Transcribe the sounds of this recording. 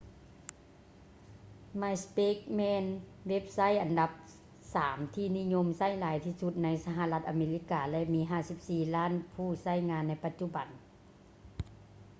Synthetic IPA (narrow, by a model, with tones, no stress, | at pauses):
ma˧jspe˦˥k̚mɛː˧nwe˦˥p̚sa˦˧˥jʔa˨˩nda˧p̚ | saː˩˦mt̪ʰiː˧˩ni˦˧˥ɲo˧˥˨msa˧˥˩jlaː˨˦jt̪ʰiː˧˩su˧t̪̚na˧˥jsa˧ɦa˧la˧t̪̚ʔa˧meː˧li˦˧˥kaː˨˧lɛ˧ʔmiː˧˥ɦaː˧˩si˧˥p̚siː˧laː˧˥˨npʰuː˧˩sa˧˥˨jŋaː˧nːa˧˥jpa˧t̪̚t͡ɕu˧ba˨˩n